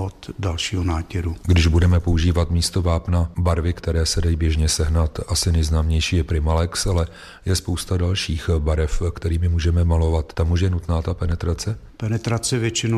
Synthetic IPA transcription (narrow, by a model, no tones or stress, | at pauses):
ot̪dalʃiːɦonaːcɛɾuɡdɪʒbudɛmɛpo̞uʒiːvat̪miːst̪o̞vaːpnabaɾvɪkt̪ɛɾɛːsɛdajiːbjɛʒɲɛsɛɦnat̪ʔasɪnɛjznaːmɲɛjʃiːjɛpɾɪmalɛksalɛ | jɛspowst̪adalʃiːxbaɾɛfkt̪ɛɾiːmɪmuːʒɛmɛmalo̞vat̪t̪ːamuʃ̬jɛnut̪naːt̪apɛnɛt̪ɾat͡sɛpɛnɛt̪ɾat͡sɛvjɛt͡ʃɪno